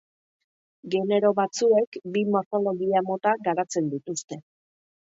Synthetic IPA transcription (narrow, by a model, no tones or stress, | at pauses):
ɡe̞ne̞ɾo̞βat͡sue̞kbimo̞ɾθo̞lo̞ɣiamo̞t̪aɡaɾat͡se̞nd̪it̪ust̪e̞